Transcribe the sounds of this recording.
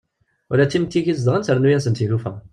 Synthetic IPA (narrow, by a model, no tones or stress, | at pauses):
ʊɾæt͡s̪ːimt̪ːiʝizd̪ʁənsəɾnujæsənt̪ilufæ̰